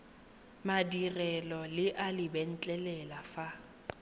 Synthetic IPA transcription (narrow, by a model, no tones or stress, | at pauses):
madirɛlɔlɪʔalɪbɛn̩t͡ɬʼɛlɛlafa